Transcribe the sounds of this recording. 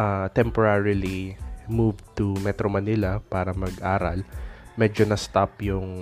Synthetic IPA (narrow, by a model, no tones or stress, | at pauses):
ʔat̪ɛmpoɹaɹilimuvt̪ʊmɛt̪ɾomɐnɪlɐpaːɾɐmɐɡʔaːɾɐlmɛːd͡ʒonɐst̪apjʊŋ